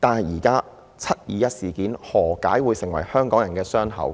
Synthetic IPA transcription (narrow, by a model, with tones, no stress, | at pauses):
t̪aː˨nɦɐ˨˩jiː˨˩kaː˥ | t͡sʰɐ˥t̚jiː˨˧jɐ˥t̚siː˨˩kiː˨˥nhɔː˨˩ka̰ː˨˥jwuː˨˧jsɪ˨˩ŋwɐ˨˩jhœː˥ŋkɔː˨˥ŋjɐ˨˩nkɛː˧sœː˥ŋɦɐ̰˨˥w